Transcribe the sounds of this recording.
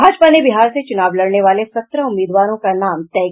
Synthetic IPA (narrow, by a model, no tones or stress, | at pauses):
aːd͡ʒpanebiɦaːɾset͡ʃʊnaːʋləɽɳeʋaːlesɐt̪ɾəʊmːiːd̪ʋaːɾõkanaːmt̪ɛɦ